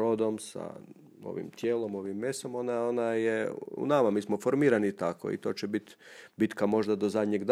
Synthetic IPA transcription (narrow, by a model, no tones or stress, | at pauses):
od̪omsa̰ | o̰ʋḭmt̪jeːlˠo̞mo̞ʋimːesomonaonajeṵnamamiːsmofoɾmiːɾanit̪ako̞̰ḭt̪o̞ːt͡ɕebit̪bit̪kamo̞ʒd̪ad̪ozad̪ɲeɡd̪